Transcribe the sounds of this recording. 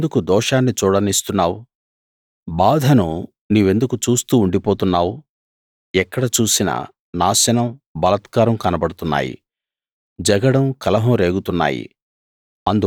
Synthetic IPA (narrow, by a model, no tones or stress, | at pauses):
d̪ukud̪ɔːʂaːnːit͡ʃuːɽɐnist̪unːaːwu | baːd̪ʱɐnu | niːʋe̞nd̪ukut͡ʃuːst̪uːɳɖipoːt̪unːaːwu | ɛkːɐɽɐt͡ʃuːsinɐ̰ | naːsɐnɐmbɐlɐt̪kaːɾɐmkɐnɐbɐɽut̪unːa̰ːjḭ | d͡ʒɐɡɐɽɐmkɐlɐɦɐmɾe̞ːɡut̪unːa̰ːjḭ | ɐnd̪u